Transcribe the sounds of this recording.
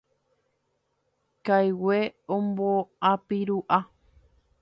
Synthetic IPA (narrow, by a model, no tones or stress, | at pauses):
kajweõmboapiɾuʔa